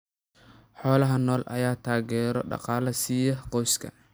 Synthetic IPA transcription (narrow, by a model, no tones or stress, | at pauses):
ħɔːlɐɦɐnɔːlʔɐ̰jaːt̪ʰaːɣɛːɾɔɖɑ̰qɑːlɐsijɐqɔwskʰɐ̰